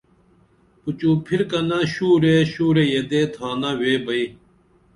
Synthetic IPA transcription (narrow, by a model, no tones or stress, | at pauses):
pʊt͡ɕũːpʰɪɾkɐnãɕuːɾeːɕuːɾeːjed̪eːt̪ʰaːnaːweːbɐiː